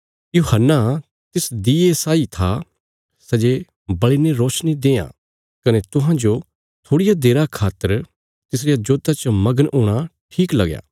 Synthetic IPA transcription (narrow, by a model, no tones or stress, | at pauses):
juɦənːa | t̪ɪsd̪ieːsaːit̪ʰa | sɐd͡ʒe | bɐɭineɾoːʃnid̪ẽːã̰ː | kɐnet̪ʊɦãd͡ʒo | t̪ʰoːɽɪjad̪eːɾakʰaːt̪əɾ | t̪ɪs̬ɾijad͡ʒoːd̪at͡ʃəmɐɡənʔoːɽ̃aʈʰiːklɐɡja̰ː